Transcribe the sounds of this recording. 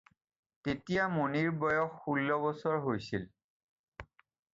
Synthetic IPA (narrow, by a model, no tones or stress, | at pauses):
tetijamoniɹbɔjɔxːulːɔbɔsɔɹɦojsil